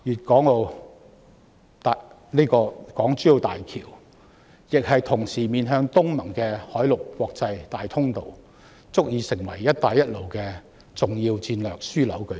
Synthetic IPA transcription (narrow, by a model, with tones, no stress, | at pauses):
jyː˨t̚kɔː˨˥ŋo˧w | t̪a˨ | nliː˥kɔː˧kɔː˨˥ŋt͡ʃyː˨˥jo˨˧t̪aː˨jkʰḭː˨˩w | jɪ˨k̚hɐ˨jt̪ʰʊ˨˩ŋsiː˨˩miː˨nɦœː˧ŋt̪ʊ˥ŋmɐ˨˩ŋkɛː˧hɔː˨˥jlʊ˨˩kkʷːɔː˧k̚t͡sɐ˧jt̪aː˨jt̪ʰʊ˥ŋt̪o˨w | t͡sʊ˥k̚jiː˨˧sɪ˨˩ŋwɐ˨˩jːɐ˥t̚t̪ːaː˨˧jːɐ˥t̚lo˨wkɛː˧ | t͡sʊ˨ŋjiː˧wt͡siː˧nlœː˨k̚syː˥lɐ̰˨˥wkɵ˨˧˥